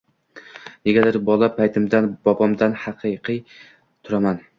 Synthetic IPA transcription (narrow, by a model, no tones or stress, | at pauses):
j̪eɡʲad̪ɪɾbɒlˠapʰajt̪ʰɪmd̪anbɒbɒmd̪anhɑqʰɨjqʰɨj | t̪ʰʊɾaman